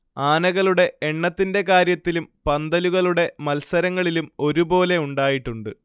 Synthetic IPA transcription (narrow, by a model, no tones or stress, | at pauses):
aːnɐɣɐɭuɽe̞eɳːɐt̪ːinde̞kaːɾjɐt̪ːilumpɐnd̪ɐluɣɐɭuɽe̞mɐlsɐɾɐŋːɐɭilumo̞ɾubo̞ːle̞uɳɖaːjiʈːuɳɖɨ